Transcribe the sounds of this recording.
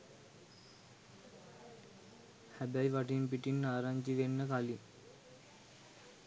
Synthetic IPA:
hæbæjʋaʈimp̬iʈinːaːɾaɲd͡ʒiʋenːəkali

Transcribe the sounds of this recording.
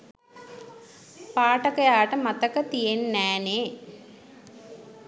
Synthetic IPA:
paːʈəkəjaːʈəmat̪əkət̪ijenːæːneː

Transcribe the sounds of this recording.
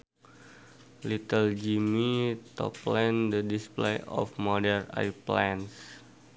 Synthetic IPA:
lit̪əld͡ʒimit̪ɔ̰plɛndədisplejʔɔ̰fmɔdɛrna̰jplans

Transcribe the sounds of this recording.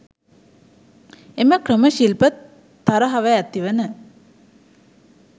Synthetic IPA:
eməkrəməʃilpət̪ː | aɾəɦaʋəæt̪ːiʋənə

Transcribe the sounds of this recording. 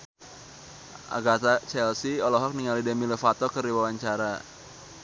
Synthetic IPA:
ʔa̰ɡat̪at͡ʃɛlsiɔlɔɦɔk̚niŋalidɛmiləfat̪ɔkəriwawaɲt͡ʃaɾa

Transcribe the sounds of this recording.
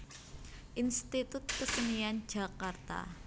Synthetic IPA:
ʔinst̪it̪ʊt̪̚kəsənian̥d͡ʒ̥a̤kart̪a̰

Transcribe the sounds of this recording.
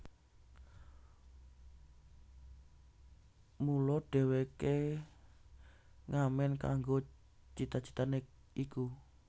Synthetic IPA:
mulɔɖ̥ɛ̤weke | ŋamɛnka̰ŋɡo | t͡ʃit̪at͡ʃi̥t̪anek̚ | iku

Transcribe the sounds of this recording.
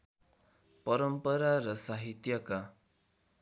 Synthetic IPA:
pʌɾʌmpʌɾaɾʌsaɦit̪jʌka

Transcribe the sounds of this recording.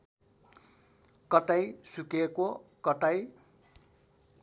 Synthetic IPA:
kʌʈajsukekokʌʈaj

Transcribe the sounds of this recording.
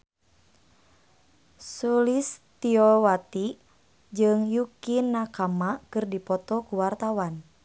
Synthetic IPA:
sulist̪iɔwat̪i | d͡ʒɨŋjukinːakamakɨrdipɔt̪ɔkuwart̪awan

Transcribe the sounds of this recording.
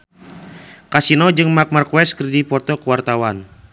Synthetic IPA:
kasinɔd͡ʒɨŋmak̚markuwɛskɨrdipɔrt̪ɔkuwart̪awan

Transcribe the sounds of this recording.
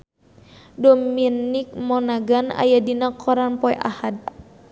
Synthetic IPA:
dɔminik̚mɔnaɡana̰jadinakʰɔɾanpɔɛʔahad̪̚

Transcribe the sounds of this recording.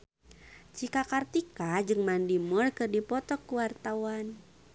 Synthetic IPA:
t͡ʃikakart̪ikad͡ʒɨŋmandimərkɨrdipɔt̪ɔkːuwart̪awan

